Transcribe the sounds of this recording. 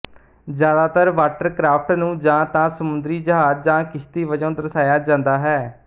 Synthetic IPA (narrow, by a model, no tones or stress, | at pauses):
d͡ʒjaːd̪aːt̪əɾʋaːʈəɾkɾaːpʰʈnũːd͡ʒãːt̪ãːsəmʊ̃nd̪ɾiːd͡ʒəɦaːd͡ʒd͡ʒãːkɪʃt̪iːʋəd͡ʒə̃nd̪əɾsaːjaːd͡ʒãːnd̪aːɦɛː